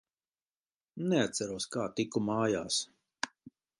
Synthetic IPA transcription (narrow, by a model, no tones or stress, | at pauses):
neat̪saɾuɔskaːt̪ikumaːjaːs